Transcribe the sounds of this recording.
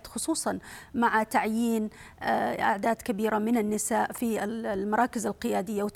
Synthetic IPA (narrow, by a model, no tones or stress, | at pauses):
t̪xʊsˤuːsˤɑnmaʕat̪aʕjiːn | ʔa̰ʕd̪aːd̪kabiːɾamɪnanːɪsaːʔfimɑɾˤɑːkɪzalqɪjaːd̪ɪjːawɪt̪